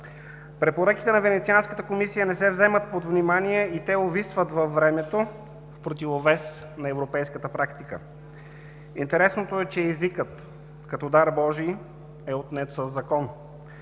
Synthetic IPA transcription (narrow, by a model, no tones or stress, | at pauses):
pɾɛpoɾək̟i̥t̪ɛnɐvɛnɛt̪sianskə̥t̪əkomisijənɛsɛvzɛmət̪̚pod̪vnimaniɛit̪ɛovisvət̪vɐfːɾɛmɛt̪o | fpɾot̪̬ivovɛs | nɐɛvɾopɛjskət̪əpɾakt̪ikə̰ | int̪ɛɾɛsnot̪oɛt͡ʃɛːzikət̪ | kɐt̪ɔd̪aɾbɔʒi | ɛot̪nɛt̪səzːɐkɔn